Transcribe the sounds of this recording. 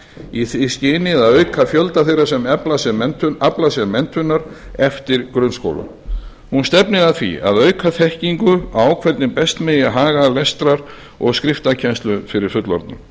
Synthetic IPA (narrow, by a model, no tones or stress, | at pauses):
iθiscɪːnɪðaðœɥkʰafjœlt̪aθejɾasɛmlasɛaplasɛmːɛnt̪ʰʏnːaɾ | ɛft̪ɪɾkɾʏnsko̰wla̰ | hunst̪ɛpnɪðaðθvḭa̰ðœːɥkʰaθɛhciŋkʏaːwkʰvɛɾt̪nɪpɛst̪mɛjɪaɦaːɣalɛst̪ɾaɾ | ɔɣskɾɪft̪acʰɛnst̪lʏfɪɾɪɾ̥fʏt̪lɔ̰ɾt̪nʏ̰m